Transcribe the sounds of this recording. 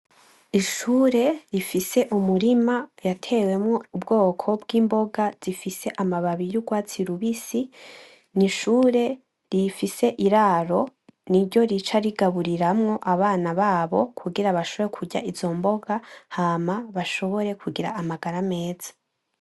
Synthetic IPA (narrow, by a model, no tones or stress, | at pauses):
iʃuːɾe̞ɾifise̞ʔumuɾimajatʰe̞ːwe̞mŋoubɡo̞ːkʰo̞bɡiːmbo̞ɡaz̥ifise̞ʔamaβaβijuɡwaːt͡siɾuβisi | niʃuːɾe̞ | ɾifise̞ʔiɾaɾo̞niɾɟo̞ɾit͡ʃaɾiɡaβuɾiɾamŋo̞ʔaβaːnaβaːβo̞kʰuɡiɾaβaʃoβo̞ɾekʰuɟa̰ʔizo̞mbo̞ɡahamaβaʃo̞βo̞ɾe̞kʰuɡiɾa̰ːmaɡaɾame̞ːz̥ḁ